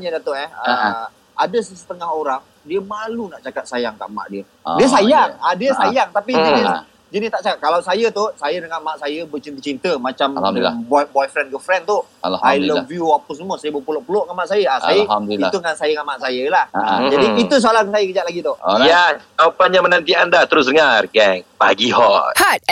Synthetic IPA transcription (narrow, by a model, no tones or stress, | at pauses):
ɲədat̪oʔɛhə | adəsəsə̥t̪əŋaɦoɾaŋ | diəmalunaʔt͡ʃakat̪̚sajaŋt̪a̰ʔma̰ʔdiə | diəsajaŋadiəsajaŋt̪apid͡ʒənis | d͡ʒənɪst̪aʔt͡ʃakat̪̚kalawsajət̪osajənəŋamaʔsajəbət͡ʃint̪ət͡ʃint̪əmat͡ʃambɔjbɔjfɾɛnɡəfɾɛnt̪uajləvjuapəs̬əmuəsajəbəpulɔʔpulɔʔŋamaʔsajəasajəit̪uŋansajaŋamaʔsajəlahd͡ʒadiːt̪us̬oalansajəkəd͡ʒat̪laɡit̪ɔʔjakapanɲjãmənãnt̪iandat̪əɾʊsdəŋarɡɛŋb̥a̰ɡiɦɔhat̚